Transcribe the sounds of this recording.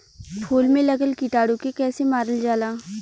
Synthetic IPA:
pʰuːlmẽlɐɡəlkɪʈaːɽukekɛːsemaːɾəld͡ʒaːlaː

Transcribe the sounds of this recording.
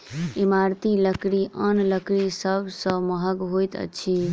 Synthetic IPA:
emaɾt̪iləkɾiʔənləkɾisəbʱsə̃məɦəɡɦojt̪ə̰t͡ʃʰi

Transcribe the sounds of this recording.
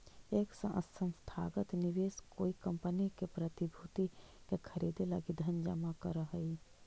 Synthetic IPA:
eːksə̰̃ʔə̰sə̃msʈ̪ʰa̰ːɡət̪nɪʋeːskoːikə̃mpənikepɾət̪ibʱut̪ikekʰəɾiːd̪elɐɡid̪ʱənd͡ʒə̰makəɾəɦəi

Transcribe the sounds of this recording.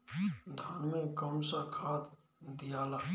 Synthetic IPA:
d̪ʱaːnmẽkəmsakʰaːd̪ | d̪ijaːlaː

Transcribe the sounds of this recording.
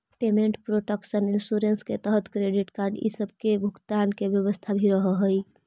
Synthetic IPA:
pemeɳʈpɾoʈəksəninsuɾensket̪əɦət̪kɾeɖiʈkaɾɖḭsəb̚ʱkebʱuɡt̪ankebjəβəst̪ʰabʱiɾəɦəɦəj

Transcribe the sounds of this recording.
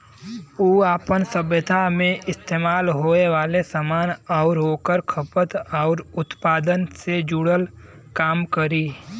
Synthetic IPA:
uːaːpənsəbjət̪ʰamẽʔɪst̪eːmaːlɦoːeʋaːlesamaːnɔːɾɦoːkəɾkʰəpət̪ɔːɾʊt̪paːd̪ənsed͡ʒuɽəl | kaːmkəɾiː

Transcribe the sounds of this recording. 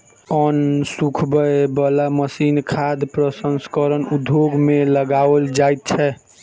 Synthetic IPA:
ɔnsukʰbəebəlaməsinkʰad̪pɾəsənskəɾənud̪ʱjoɡmeləɡaʋəld͡ʒajt̪̚t͡ʃʰɛ

